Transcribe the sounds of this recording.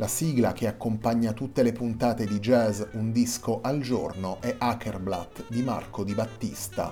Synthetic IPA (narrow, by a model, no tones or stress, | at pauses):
lasiɡlak̟eakːompaɲːat̪ut̪ːelepunt̪aːt̪ed̪id͡ʒɛːzund̪iskoʔald͡ʒornoʔɛʔakʰerblat̪ːd̪ima̰rkʰod̪ibat̪ːist̪a̰